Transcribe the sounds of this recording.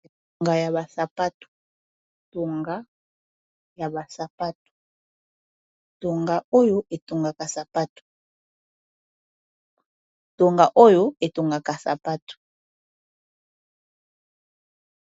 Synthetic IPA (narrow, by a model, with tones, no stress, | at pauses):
e˨to˨ŋɡa˨ja˨βa˨sa˨pa˦tu̥˨ | to˨ŋɡa˨˦ | ja˨ba˨sa˨pa˦tu̥˨ | to˨ŋɡa˨o˦jo˦ʔe˨to˨ŋɡa˨ka˨sa˨pa˦tu̥˨ | to˨ŋɡa˨ʔo˦jo˨e˨to˨ŋɡa˨ka˨sa̰˨pa˦tu̥˨